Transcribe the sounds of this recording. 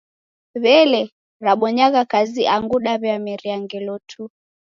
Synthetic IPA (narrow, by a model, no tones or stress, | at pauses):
βɛlɛ | ɾaɓɔɲaɣakaziʔaŋɡuɗaβjamɛɾiaŋɡɛlɔtʰu